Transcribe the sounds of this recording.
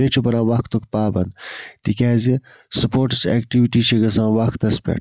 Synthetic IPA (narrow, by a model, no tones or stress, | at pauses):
et͡ʃʰobɐɾãːʋɐxkt̪ukpaːbɐnd̪t̪ikʲaːzi | sɐpoːɾʈsḛːkʈiʋiʈiɕʰeɡɐs̬ãːwɐxkt̪ɐspḛʈ